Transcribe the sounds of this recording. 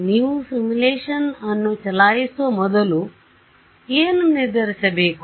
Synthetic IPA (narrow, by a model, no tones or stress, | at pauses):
njusimuleːʂɐnɐnːut͡ʃɐlaːjesɐmɔd̪ɐlu | eːnuniɾd̪ɐɾɐsɐbʱeːk